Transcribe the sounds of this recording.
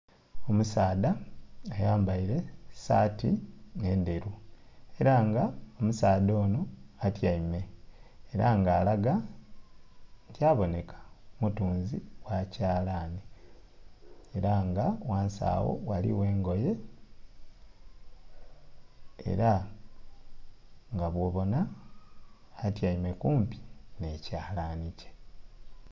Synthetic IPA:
o̞musaːdaːjaːmbaiɾe̞satine̞ːnde̞ɾueɾaŋɡaomusaːdo̞ːnoatjaime̞ː | ɾaŋɡaːlaɡa | ntjaːβo̞ne̞kʰḁmutuːnziwacaːlaːne | ɾaŋɡawaːnsa̰ːwo̞̰walḭwe̞ːŋɡo̞je̞ | ḛɾa | ŋɡaβwo̞βo̞na | tjaime̞kuːmpi̥necaːlanice̥

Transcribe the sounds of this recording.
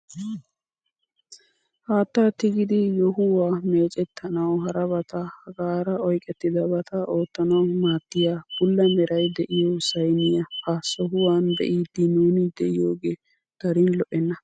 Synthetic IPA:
haːt̪ːat̪ːɪɡɪd̪ɪjɔɦʊwaːmeːt͡ʃʼɛt̪ʰːɐnɐwhɐɾɐbɐt̪ɐhɐɡaːɾɐɔjkʼɛt̪ːɪd̪ɐbɐt̪ɐʔo̞ːt̪ːɐnɐwmaːt̪ːɪjaːb̥ʊlːɐmɛɾɐjd̪ɛʔɪjosɐjnɪjɐhɐsɔɦʊwaːnd̪ɛ̰ʔiːd̪ːɪnuːnɪd̪ɛʔɪjoːɡeː | d̪̥ɐɾɪnlɔʔɛnːɐ

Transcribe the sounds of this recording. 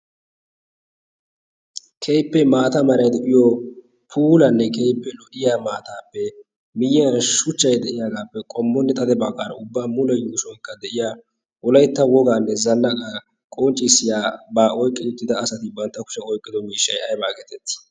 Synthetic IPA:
kʰejpːɛmaːt̪ɐmɐɾɐjd̪ɛʔɪjɔ | pʰuːlɐnːɛkejpːɛlɔʔɪjaːmaːt̪aːpːɛ | mɪjɪjɐnʃʊt͡ʃːɐjd̪ɛʔɪjaːɡaːpːɛkʼɔmːɔnːɛt̪ʼɐd̪ɛbaɡaːɾɐ̰ʊbːaːmʊlɛjuːʃɔŋkːɐd̪ɛʔɪjaː | ʔɔlɐjt̪ːɐwɔɡaːnːɛzɐnːɐka | kʼɔːnt͡ʃʼːɪsːɪjaːbaːʔɔjkʼːɪʊt̪ːɪd̪ɐːsɐt̪ɪbɐnt̪ːɐkʊ̥ʃɛɔjkʼːɪd̪ɔmiːʃːɐjɐjbaːɡɛt̪ɛt̪ːɪ̥

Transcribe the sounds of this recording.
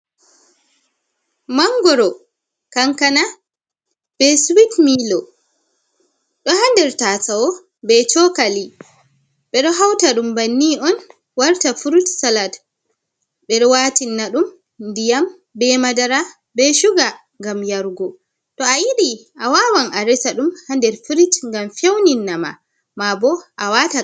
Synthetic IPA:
maŋɡɔɾɔ | kaŋkana | b̥ɛswitmilɔ | ɗɔhandɛɾtatawɔ | bɛt͡ʃɔkali | ɓɛɗɔɦawtaɗumbanːiʔɔn | waɾtafuɾutsalat | ɓɛɗɔwaːtinːaɗum | ndijam | bɛmadaɾa | bɛʃuɡa | ŋɡamjaɾɡɔ | tɔajiɗiʔawawanʔaɾɛsaɗumhandɛɾfuɾitŋɡamfewninːama̰ | mabɔʔawata

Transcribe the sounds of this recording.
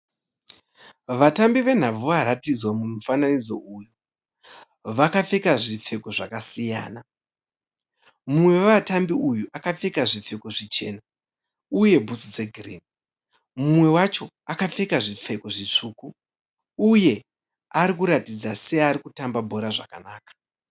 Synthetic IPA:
ʋatambiʋe̞n̤ab͡vuʋaɾatid͡zwamun̤ufananid͡zo̞ʔuju | ʋakafekaʐip͡fe̞ko̞ʐakasija̰ːna | mumwe̞ʋatambiujuʔakafekaʐip͡fe̞koʐit͡ʃe̞ːna | uje̞bʱusud͡zeɡʱrḭn | mumwe̞wat͡ʃo̞ | akafekaʐip͡fe̞ko̞ʐit͡ʂuːkuː | je̞ | aɾikuɾatid͡zase̞aɾikutambabʱo̞ɾaʐaka̰naːkḁ

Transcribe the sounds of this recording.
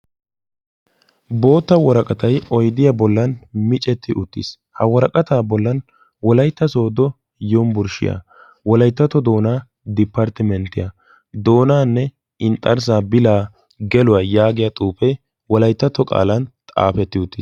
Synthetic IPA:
bo̞ːt̪ːɐwɔɾɐkʼɐt̪ɐjɔjd̪ɪjabɔlːɐnmɪt͡ʃʼɛt̪ʰːɪʔʊt̪ːḭs | hɐwɔɾɐkʼɐt̪aːbɔlːɐn | wɔlɐjt̪ːɐso̞ːd̪ɔ | jombʊɾʃɪ̰ja̰ | wɔlɐjt̪ːɐt̪ɔd̪o̞ːnaː | d̪ɪpːɐɾt̪ɪmɛnt̪ɪjɐ | d̪o̞ːnaːnːɛ | ɪnt̪ʼːɐɾs̬aːbɪlaː | ɡɛlʊwaːjaːɡɪjat̪ʼuːpɛ | wɔlɐjt̪ːɐt̪ːɔkʼa̰ːlɐnt̪ʼa̰ːpɛt̪ːɪʊt̪ːiːs

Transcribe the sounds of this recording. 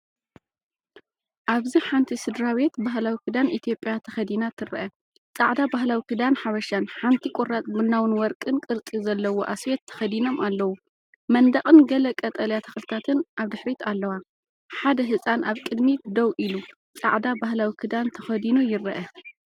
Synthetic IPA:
ʔaβziħant̪ʰisɨd̪ɾawet̪baɦlawikʰɨd̪anʔit̪ʰjo̞pʼjat̪ʰɐ̥xɐd̪inat̪ʰɨɾɐ̰ʔɐ | t͡sʼaʕd̪abaɦlawikʰɨd̪anħaβɐʃanħant̪ʰikʷʼorat̪̚bɨnːawɨnwɔɾkʼɨnkʼɨɾt͡sʼizɐlːɐwoʔaswet̪ʰːɐ̥xɐd̪ino̞mʔalːɐwu | mɐnd̪ɐχʼɨnɡɐlɐkʼɐt̪ʼɐljat̪ʰɐ̥xlt̪ʰat̪ʰɨnʔaβd̪ɨħɾit̪ʰalːɐwa | ħad̪ɐɦɨsʼanʔaβkʼɨd̪mid̪ɐwʔilu | t͡sʼaʕd̪abahlawikʰɨd̪ant̪ʰɐxɐd̪inujɪɾɐʔɐ

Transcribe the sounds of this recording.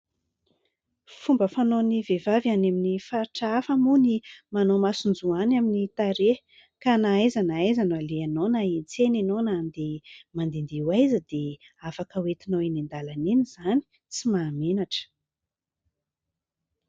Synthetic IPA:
fumbəfanonivevavaneminifaɾʈ͡ʂaafəmunimanomasund͡zuanaminit̪aɾe | kanaajzanaajzanaleanonait͡senanonand̪emand̪end̪euwajzəd̪e | afakəwet̪inoinind̪alaniniz̥ani̥ | t͡simaːmenaʈ͡ʂə̥

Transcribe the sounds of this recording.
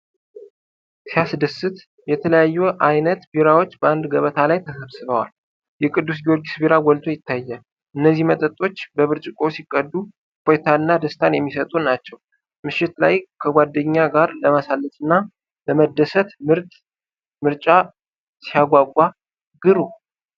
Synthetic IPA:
sijasd̪əsɨt̪ | jɛt̪ʰələjajːuʔajnət̪biɾawo̞t͡ʃːbəand̪ɡəβət̪ʰalajt̪ʰəsəβsɨβəwa̰l | jɛkʼɨd̪ːus̬ɡijo̞ɾɡisbiɾawɔlt̪ʰʼo̞jɪt̪ːajːɛ | ʔɨnːəzːihmət̪ʼət̪ʼːo̞t͡ʃːbəβɨɾt͡ʃʼɪkʼo̞sikʼːəd̪ːu | pʰojt̪ʰaɨnːad̪əst̪ʰanjɛmːisət̪ʼunat͡ʃːɛw | mɨʃːɪt̪lajkʰəɡʷad̪ːəɲːaɡaɾləmasalːət̪ʼɨnːa | ləməd̪əsət̪mɨɾt̪ʼ | mɨɾt͡ʃʼa | sijaɡʷaɡʷːa | ɡɨɾu

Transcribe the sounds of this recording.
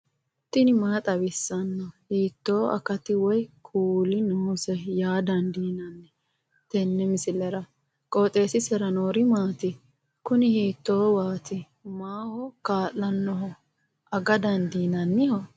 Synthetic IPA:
t̪ɪnɪmaːt̪ʼɐbɪsːɐnːɔhiːt̪ːoːʔɐ̰kɐt̪ɪwɔjkʰuːlɪnʊmʊsɛjaːd̪ɐnd̪iːnɐnːɛ | t̪ɛnːɛmɪsɪlɛɾɐ | kʼoːt̪ʼe̞ːsɪsɛɾɐnoːɾɪmaːt̪ɪ | kʊnɪhiːt̪ːoːwaːt̪ɪ | maːhɔkaːlːɐnːɔɦɔ | ʔɐɡɐd̪ɐnd̪iːnɐnːɪhɔ

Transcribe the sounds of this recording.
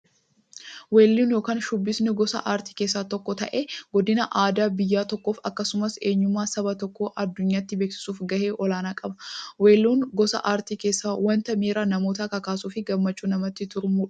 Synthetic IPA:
weːlːuːnjoːkaːnʃʊbːɪsnɪɡɔsɐ̰ʔaːɾt̪i̥ːke̞ːsːaːt̪ɔkːɔt̪ɐʔe̞ːɡɔd̪ɪnɐʔaːd̪aːbɪjːaːt̪ɔkːo̞ːfɐkːɐsʊmɐse̞ːɲːʊmːaːsɐbɐt̪ɔkːoʔɐd̪ːʊɲːaːɪt̪ːɪbeːksɪ̥suːfɡɐhe̞ːʔɔlaːnaːkʼɐbɐwe̞ːlːuːnɡɔsɐ̰ʔaːɾt̪iːke̞ːsːaːwɐnt̪ɐmeːɾaːnɐmo̞ːt̪aːkɐkaːsuːfɪɡɐmːɐt͡ʃːuːnɐmɐt̪ːɪt̪ʊɾmuːᶑɐ

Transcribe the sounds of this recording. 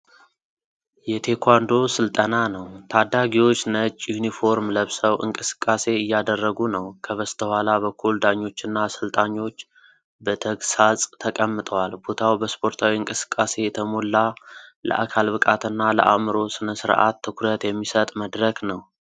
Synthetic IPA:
jɛt̪ʰe̞kʰwand̪o̞sɨlt̪ʼənanəwt̪ʰad̪ːaɡiwo̞t͡ʃːnət͡ʃʼːjunifo̞ɾmləβsəwʔɨ̰ŋkʼɨsɨ̥kʼːase̞ɨjːad̪ərːəɡunəwkʰəβəst̪ʰəhʷalaβəkʰːuld̪aɲːo̞t͡ʃːɨnːasɨlt̪ʼaɲːo̞t͡ʃː | bət̪ʰəɡsasʼt̪ʰəkʼəmːɨt̪ʼəwalbot̪ʰawbəspʰo̞ɾt̪ʰawiɨŋkʼɨsɨ̥kʼːase̞jɛt̪ʰəmo̞lːalə̰ʔakʰalbɨkʼat̪ʰɨnːalə̰ʔa̰mɨɾo̞sɨnəsɨɾʔa̰t̪ʰːɨkʰɾət̪jɛmːisət̪ʼməd̪ɾəknəw

